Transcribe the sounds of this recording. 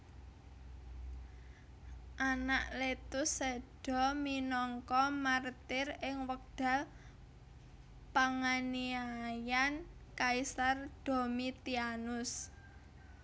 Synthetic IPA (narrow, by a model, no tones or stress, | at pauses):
ʔanaʔlet̪ʊsːeɖ̥ɔ̤minɔŋkɔmart̪ɪrɪŋwək̚d̥a̤ | paŋaniajankaisard̪̥o̤mit̪ianʊs